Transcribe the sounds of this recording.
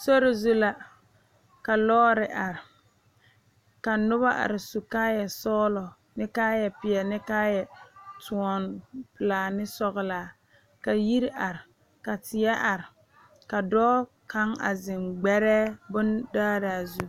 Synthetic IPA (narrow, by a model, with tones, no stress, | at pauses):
so˦ɾɪ˨zu˦la˨ | ka˨lɔː˦ɾɪ˨ʔa˨ɾɪ˨ | ka˨nʊ˦βa˦ʔa̰˨ɾɪ˨su˨kaː˦jɛ˨sɔː˦lɔ˨ | nɪ˦kaː˦jɛ˨pɪ˨ɛ˨nɪ˦kaː˦jɛ˨tʰu˨ɔ˨npɪ˨laː˨nɪ˦sɔ˦ɣɪ˨laː˨ | ka˨ji˦ɾi˦ʔa˨ɾɪ˨ | ka˨tɪ˨ɛ˦ʔa˨ɾɪ˨ | ka˨dɔː˦ | ka˦ŋa̰˨zɪ˨mɡ͡bɛ˦ɾɛː˦bʊ˦ndaː˦ɾaː˨zu˦